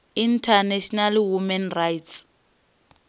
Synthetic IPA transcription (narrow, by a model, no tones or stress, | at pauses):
intʰanɛʃɔnalwumɛnrajts